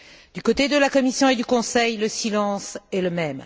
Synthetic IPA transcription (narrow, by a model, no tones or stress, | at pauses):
d̪ykot̪ed̪əlakɔmisjɔ̃ed̪ykɔ̃sɛjləsilɑ̃sɛləmɛm